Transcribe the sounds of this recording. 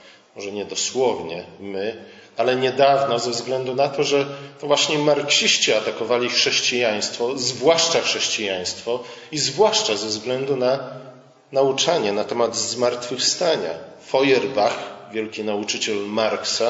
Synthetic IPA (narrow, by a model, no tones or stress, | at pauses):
mɔʐɛɲɛd̪ɔswɔvɲɛmɘ | alɛɲɛd̪avnɔzɛvzɡlɛnd̪unat̪ɔʐɛt̪ɔvwaɕɲɛmaɾkɕiɕt͡ɕiat̪akɔvalʲixʂɛɕt͡ɕijaj̃st̪fɔzvwaʂt͡ʂaxʂɛɕt͡ɕijaj̃st̪fɔizvwaʂt͡ʂazɛvzɡlɛnd̪una | naut͡ʂaɲɛnat̪ɛmad̪zmaɾt̪fɘfst̪aɲa̰ | fɔjɛɾbaxvʲjɛlkʲinaut͡ʂɘt͡ɕɛlmaɾksa